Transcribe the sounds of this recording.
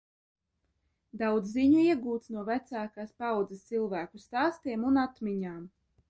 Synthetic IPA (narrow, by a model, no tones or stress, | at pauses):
d̪awd̪zːiɲuiɛɡuːt̪snuɔvæt̪saːkaːspawd̪zɨst̪silˠvæːkust̪aːst̪iɛmunat̪miɲaːm